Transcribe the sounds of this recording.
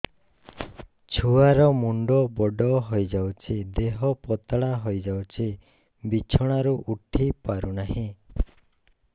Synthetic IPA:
t͡ʃʰuaɾɔmuɳɖɔbɔɖɔɦojd͡ʒawt͡ʃʰid̪eɦɔpɔt̪ɭaɦojd͡ʒawt͡ʃʰi | bit͡ʃʰɔɽ̃aɾuʔuʈʰipaɾunaɦĩ

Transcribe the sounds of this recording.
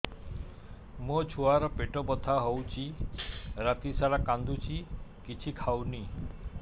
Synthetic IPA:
mot͡ʃʰuaɾɔpeʈɔbɔd̪ʱaɦowt͡ʃʰi | ɾat̪isaɭakand̪ut͡ʃʰikit͡ʃʰikʰawni

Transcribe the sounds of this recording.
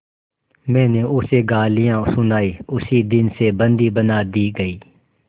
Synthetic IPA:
mɛ̃ːneʊseɡaːlɪjãːsʊnaːiːʊsid̪ɪnsebə̃nd̪ibənaːd̪iːɡəiː

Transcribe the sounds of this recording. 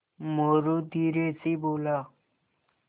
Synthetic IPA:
moɾod̪iɾet͡sibolʌ

